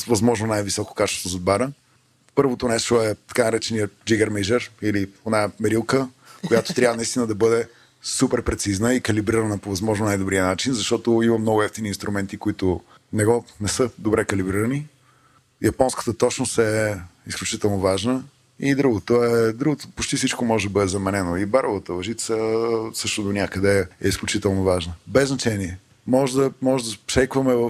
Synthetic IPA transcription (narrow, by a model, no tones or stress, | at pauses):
svɐzmɔʒnonajvisɔko̥kat͡ʃɛ̥st̪ozod̪baɾə | pɤɾvot̪onɛʃt̪oɛt̪ɐ̥kanɐɾɛt͡ʃɛniəd͡ʒiɡəɾmɛʒɛɾilionamɛɾilˠkə | kojat̪o̥t̪ɾʲavənɐist̪inəd̪ɐbɤd̪ɛ | supɛɾpɾɛt̪siznəikɐlibɾiɾənəpovɐzmɔʒnʊnajd̪obɾiənat͡ʃinzɐʃt̪ɔt̪oimɐmnɔɡʊɛft̪iniːnst̪ɾumɛnt̪ikoit̪ʊ | nɛɡɔnɛsɤd̪obɾɛkɐlibɾiɾəni | jɐpɔnskə̥t̪ət̪ɔt͡ʃnosɛisklʲut͡ʃit̪ɛlˠnovaʒnə | id̪ɾuɡot̪oɛd̪ɾuɡot̪opot͡ʃt̪isit͡ʃkomɔʒɛd̪ɐbɤd̪ɛzɐmɛnɛnoibaɾovət̪əvɐʒit̪səsɤʃt̪ʊd̪onʲakəd̪ɛɛisklʲut͡ʃit̪ɛlˠnovaʒnəbɛznɐt͡ʃɛniɛ | mɔʒd̪əmɔʒɛd̪əʃɛjkvɐmɛvə